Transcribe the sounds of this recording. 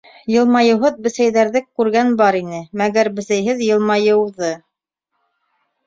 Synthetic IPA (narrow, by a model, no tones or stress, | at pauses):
jɤ̆lˠmɑjɤ̆wɦɤðbɘ̆sæjðæɾðɘkːʉɾɡænbɑɾinɘmæɡæɾbɘ̆sæjɦɘðjɤ̆lˠmɑjɤ̆wðɤ